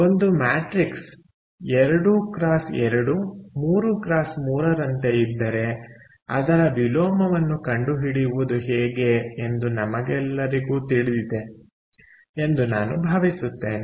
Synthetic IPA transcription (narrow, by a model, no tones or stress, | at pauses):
o̞nd̪umaːʈɾiks | ɛɾɐɽukɾaːsɛɾɐɽumuːɾukɾaːsmuːɾɐɾɐnt̪e̞id̪ːɐɾe̞ | ɐ̰d̪ɐɾɐbiloːmɐʋɐnːukɐɳɖuɦiɽiʋud̪uɦeːɡe̞ːnd̪unɐmɐɡɛlːɐɾiɡuːt̪iɭid̪id̪e̞ | e̞nd̪unaːnubʱɐːʋisut̪ːe̞ːne